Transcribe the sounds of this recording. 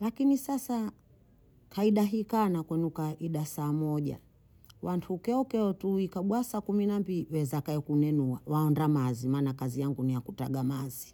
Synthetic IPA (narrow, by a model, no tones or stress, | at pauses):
lakinisasa | kaiɗaɦikanakwɛnukaʔiɗasaːmɔʄa̰ | wʔantʰukɛɔkɛɔtuikaɓwasakuminambiliwɛzakaɛkunɛnuawaɔndamazimaːnakazijaŋɡunijakutaɡamazi